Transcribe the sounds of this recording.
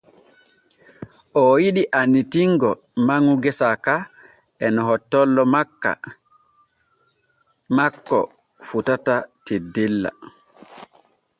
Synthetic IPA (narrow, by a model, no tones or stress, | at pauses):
ʔɔjiɗiʔanːitiŋɡɔ | maŋuɡɛsaka | ʔɛnɔɦɔtːɔlːɔmkːa̰ | makːɔ̰ | futatatidilːa̰